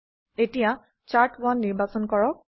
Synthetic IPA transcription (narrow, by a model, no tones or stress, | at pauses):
etija | t͡ʃaɹtanːiɹbasɔnkɔɹɔk̚